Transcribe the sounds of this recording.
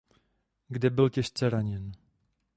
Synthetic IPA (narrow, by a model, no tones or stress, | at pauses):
ɡdɛbɪlcɛʃt͡sɛɾaɲɛn